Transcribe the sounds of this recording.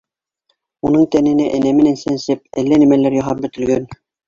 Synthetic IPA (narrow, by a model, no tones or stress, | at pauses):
unɤɴt̪ænɘ̆næʔænæmɘ̆nænsænsɘp̚æ̰lːænæ̆mælæɾjɑɦɑp̚bɵ̆t̪ɘ̆lɡæn